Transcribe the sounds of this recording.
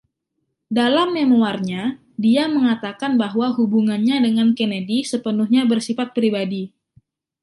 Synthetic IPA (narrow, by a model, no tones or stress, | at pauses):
dalamːemoarɲa | diaməŋat̪akanbaɦwaɦubuŋanɲadəŋankenedisəpənuhɲabərsifat̪̚pɾibadi